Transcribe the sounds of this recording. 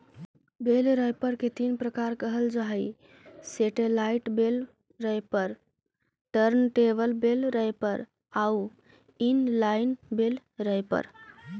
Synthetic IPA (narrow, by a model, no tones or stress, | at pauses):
belɾəjpəɾket̪inpɾəkaɾkəɦəld͡ʒaɦə | seʈelaiʈbel | ɾəjpəɾ | ʈəɾnʈebəlbelɾəjpəɾ | au | inlaɪnbel | ɾəjpə̰ɾ